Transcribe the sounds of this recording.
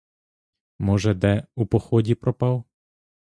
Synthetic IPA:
mɔʒɛd̪ɛupɔxɔdʲipɾɔpɑw

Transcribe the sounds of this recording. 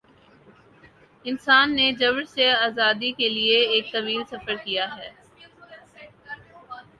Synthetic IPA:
ɪnsaːnːed͡ʒɐʋɽseaːzaːd̪ikelieeːk̚t̪ɐʋiːlsɐfəɾkijaɦɛː

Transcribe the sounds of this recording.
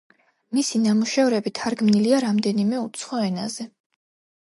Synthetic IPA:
misinamuʃɛvɾɛbit̪ʰaɾɡmniliaɾamd̪ɛnimɛut̪sʰχɔɛnazɛ

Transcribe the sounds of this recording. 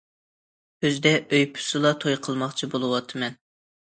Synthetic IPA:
øzd̪ɛʔøjpʰy̥sɨlˠɑt̪ʰojqʰəlˠmɑχt͡ʃʰibolˠɨwɑt̪ʰːɨmɛn

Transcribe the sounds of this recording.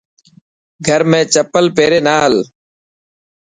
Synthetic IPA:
ɡʱəɾmẽːt͡ʃəpəlpeːɾeːnaːɦəl

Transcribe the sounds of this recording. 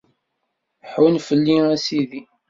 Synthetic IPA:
ħwnfəlːiæsiði

